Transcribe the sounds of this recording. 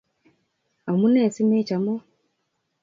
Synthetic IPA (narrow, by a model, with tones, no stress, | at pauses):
a˨mu˦neː˨si˦meː˦ca˨mo˦